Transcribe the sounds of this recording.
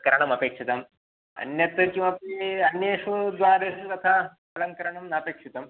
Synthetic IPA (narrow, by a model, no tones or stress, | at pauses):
kɐɾaɽ̃ɐmɐpekʂit̪am | ɐ̰njɐt̪kĩw̃ʋapiɐnjəʂud̪ʋaɾekɐt̪ʰa | pɐlɐnkɐɾaɳ̃ɐmnɐpekʂit̪am